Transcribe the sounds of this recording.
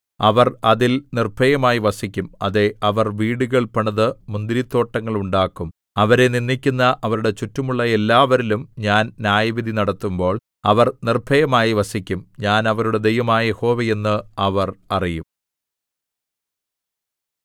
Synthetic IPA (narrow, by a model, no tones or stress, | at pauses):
ɐʋɐrɐðilnirbʰʱɐjɐmaːjiʋɐsikʲːumɐ̰ðe̞ɐʋɐrʋiːɽuɣɐɭpɐɳɐðɨmund̪ɾit̪ːo̞ːʈːɐŋːɐɭuɳɖaːkːum | ɐʋɐɾe̞ninːikʲːunːɐʔɐʋɐɾuɽe̞t͡ɕutːɐmuɭːɐe̞lːaːʋɐɾilumɲaːnnjaːjɐʋid̪ʱinɐɽɐt̪ːumbo̞ːɭ | ɐʋɐrnirbʱʰɐjɐmaːjiʋɐsikʲːumɲaːnɐʋɐɾuɽe̞d̪e̞jʋɐmaːjeho̞ːʋeje̞nːɨɐʋɐrɐrijum